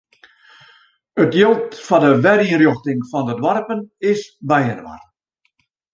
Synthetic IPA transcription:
ətjolˠtfɔdəʋɛɾiənrjoxtɪŋfɔndədʋarpənɪsbɛjənʋa̰r

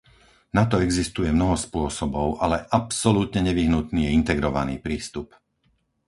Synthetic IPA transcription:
nat̪ɔɛɡzist̪ujɛmnɔɦɔspʊɔsɔbɔʊʔalɛʔapsɔlut̪ɲɛɲɛʋiɦnut̪niːjɛint̪ɛɡɾɔʋa̰niːpɾiːst̪up

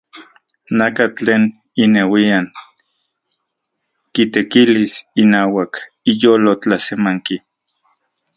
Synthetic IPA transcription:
nakat͡ɬeːn | inewian | kit̪ekilisinaːwak | ijoːlot͡ɬasemaŋki

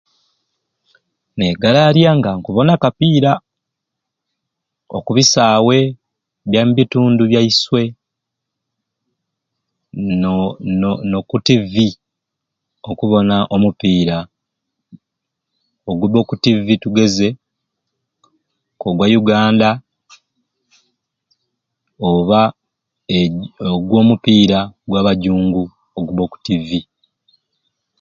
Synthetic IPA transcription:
neɡalaɾjaŋɡaŋkuβo̞nakapiːɾa | o̰kuβisaːwe̞ | βjambituːnduβjaiswe̞ | nokutivi | okuβo̞naʔomupiːɾa | oɡuβo̞ːkutivituɡe̞ze̞ | koɡwajuɡaːnda | oβa | oɡwo̞ːmupiːɾaɡwaːβaɟuːŋɡu | oɡuβo̞ku̥tivi

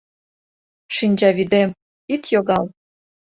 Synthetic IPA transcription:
ʃinʲd͡ʑɑβid̪em | it̪joɣɑl

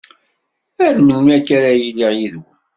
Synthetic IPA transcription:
æðmənːækːaɾajilːiʁjiðu

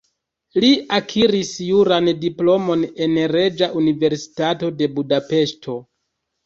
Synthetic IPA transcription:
liakʰiɾisjuɾandiplo̞mo̞ne̞nɾe̞d͡ʒaʔunive̞ɾsi̥tato̞de̞budape̞ʃtʰo̞

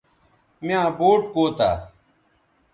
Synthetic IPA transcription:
mjãːboːʈkoːt̪a̰ː

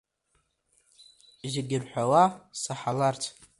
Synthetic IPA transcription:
ʒaɡʲɪrħʷawasaħalart͡sʰ

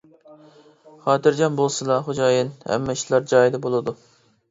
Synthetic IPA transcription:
χɑːt̪ʰɨɾd͡ʒɑnbolˠsɨlˠɑχod͡ʒɑːjinhɛ̰mːɛʃlˠɑɾd͡ʒɑːjid̪ɛbolˠɨd̪u

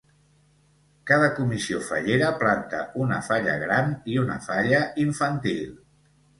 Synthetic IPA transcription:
kað̞əkumisiofə̰ʎeɾəplant̪ə̰ʔunə̰faʎə̰ɣɾaniunə̰faʎəiɱfənt̪ilˠ

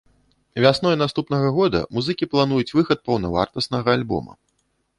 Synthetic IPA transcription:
vʲasnɔjnast̪upnɐɣɐɣɔd̪ɐ̰muzɨkʲiplˠan̪ujut͡sʲvɨxɐt̪̚pɐwnɐva̰rt̪ɐsnɐɣɐalʲbɔ̰mɐ̰

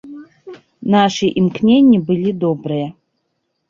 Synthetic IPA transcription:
naʂɨʔimkʰnʲe̞nʲibɨlʲido̞brɨjɐ

